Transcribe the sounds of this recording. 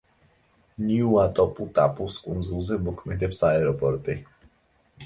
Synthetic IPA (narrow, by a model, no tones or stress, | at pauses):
nʲiuat̪ɔput̪a̰puskʼunzuzebukmed̪ɛpsaɛɾɔpɔɾt̪ɪ